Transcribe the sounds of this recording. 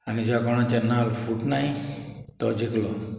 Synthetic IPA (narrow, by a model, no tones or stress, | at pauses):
anid͡ʑjakɔɽ̃ãt͡ɕanalfuʈnajt̪ɔd͡ʑiklɔ